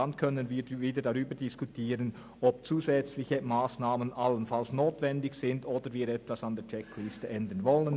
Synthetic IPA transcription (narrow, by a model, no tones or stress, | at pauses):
ɑnkʰœnənviːɾviːdədaʁyːbədɪskutʰiːɾən | ʔɔb̥̚t͡suːzɛt͡slɪçəmaːsnaːmənʔalənfalsnoːtvɛndɪçsɪndoːdəviːɾɛtvasɑndeːɐt͡ʃɛkʰlɪstəʔɛndənvɔlən